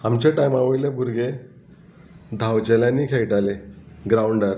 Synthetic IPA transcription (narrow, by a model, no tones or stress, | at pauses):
amt͡ɕeʈajmaʋəjlebʱuɾɡe | d̪ʱawd͡ʑəljãnːiːkʰejʈaleɡɾauɳɖəɾ